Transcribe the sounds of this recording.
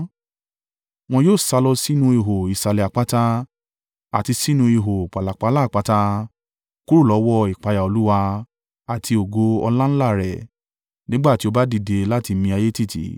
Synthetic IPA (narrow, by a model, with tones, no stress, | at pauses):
w̃ɔ̃˧joː˦˨sa˧lɔ˧si˦nũ˧i˧ɦo˨i˨sa˨lɛ˨a˨k͡pa˦ta˧ | a̰˨ti˧si˦nũ˧i˨˧ɦo˨k͡pa˨la˨k͡pa˨˧˦la˦˨k͡pa˨˦ta˧ | ku˦ɾu˦˨lɔ˨˦wɔ˦i˨k͡pa˨˧ja˨o˨lu˦wa˧ | a˨tʰi˧o˨ɡo˧ɔ̰˧lã˦n̩˦la˦˨ɾɛ̰˨ | nĩ˦ɡ͡ba˦˨ti˦o˧ba˦di˧˨de˧la˦˨ti˧mĩ˧a˧je˦ti˦˨tḭ˨˦